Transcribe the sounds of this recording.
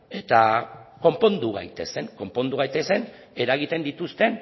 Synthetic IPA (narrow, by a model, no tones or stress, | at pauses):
e̞t̪ako̞mpo̞nd̪uɣ̞a̰jt̪e̞se̞ŋko̞mpo̞nd̪uɣajt̪e̞se̞n | e̞ɾaɣit̪e̞nd̪it̪ust̪e̞n